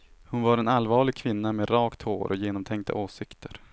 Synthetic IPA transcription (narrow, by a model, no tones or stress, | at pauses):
hʊnvaɾɛnalːvɑːɭɪɡ̚kʰvɪnːamɛɾɑːkt̪ho̰ːɾʔɔjeːnɔmt̪ʰɛŋk̚t̪ʰa̰ʔoːsɪkt̪ʰəɾ